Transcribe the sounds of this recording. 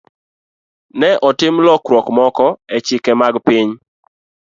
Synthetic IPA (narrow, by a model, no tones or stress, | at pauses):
nɛʔɔtɪmlɔkɾwɔkmɔkɔɛt͡ʃɪkɛmaɡpɪɲ